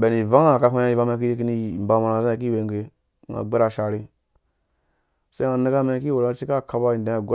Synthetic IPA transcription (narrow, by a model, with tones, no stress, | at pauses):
be˨ni˨va˦ŋa˦˨ka˦ku˦a˦i˨va˦ma˦k̬i˦je˦k̬i˦ni˦˨mba˨ma˨ɾa˨za˦a˨k̬i˦˨we˨ŋɡe˨ | ŋa̰˨ɡ͡be˦ɾa˨ʃa˨ɾi˦ | sa˦a˨ne˦ɡa˦ma˦ki˦wo˨ɾa˦t͡ʃi˦ka˦˨ka˨ba˦i˨da˨˦a˨ɡ